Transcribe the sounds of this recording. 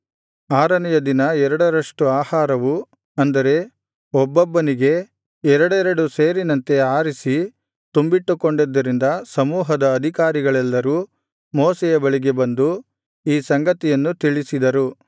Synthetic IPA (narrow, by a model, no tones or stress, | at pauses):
aːɾɐnɛjɐd̪inɐɛɾɐɽɐɾɐʂʈuaːhaːɾɐʋu | ɐnd̪ɐɾe̞ | ɔbːɐbːɐniɡe̞ | ɛɾɐɽɛɾɐɽuseːɾinɐnt̪e̞aːɾisi | t̪umbiʈːukoɳɖid̪ːɐɾind̪ɐsɐmuːɦɐd̪ɐːd̪ʱikaːɾiɡɐɭɛlːɐɾuː | mɔːsɛjɐbɐɭiɡe̞bɐnd̪u | iːsɐŋɡɐt̪ijɐnːut̪iɭisid̪ɐɾu